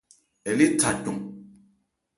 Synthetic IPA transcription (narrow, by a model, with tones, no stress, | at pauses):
e˨li˦tʰa˨tu˨ŋ